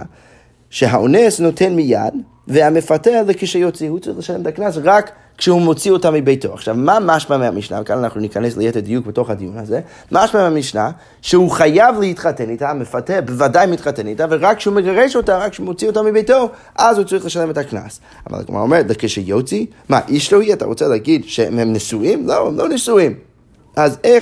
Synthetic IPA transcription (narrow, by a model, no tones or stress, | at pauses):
ʃeɦaʔonesno̞tʰe̞nmija̰d | veamefatealekiʃejot͡sihut͡saʁiχleʃalemetʰaknasʁakː | ʃɛhumo̞t͡siotamibejtoa̰χʃavmamaʃmameamiʃna̰vekananaχnunikaneslejeted̪ijuk̚beto̞χhad̪ijunaze | maʃmameamiʃna̰ | ʃeuχajavlehit̪χatenitamefatebevadajmit̪χatenitaveʁakːʃeumeɡaʁeʃo̞taʁakːʃeumot͡sio̞tamibejto̞ | ʔazhut͡saʁiχleʃalemetʰakna̰s | a̰ma̰l̰ˠkma̰omeʁetlekeʃejot͡si | ma̰ʔiʃlohiata̰ʁot͡seleːɡidʃḛemnesuimloemlonesuim | ʔaze